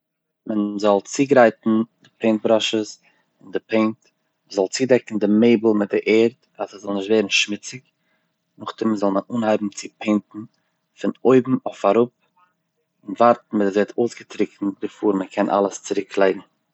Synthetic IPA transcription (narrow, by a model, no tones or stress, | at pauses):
mənzɔlˠt͡siːɡɾaɪtn̩dɪpeɪnt̚bɾɔʃəs | ɪndɪpʰeɪnt | zɔlˠt͡siːdɛkn̩dɪmeɪbl̩ˠmɪt̚dɪʔeːɾt | asəzɔlˠnɪʃtveɪɾn̩ʃmɪt͡sɪk | nʊχtɪmzɔlˠmənuːnhaɪbm̩t͡sɪpʰeɪntn̩ | fɪnoɪbm̩oɪfaɾʊp̚ | ɪnvaɾtn̩mɪtzɛtʰoʊsɡətɾɪkn̩bɪfuːɾməkʰɛnʔa̰lˠəst͡sɪɾɪkʰlˠeɪɡŋ̩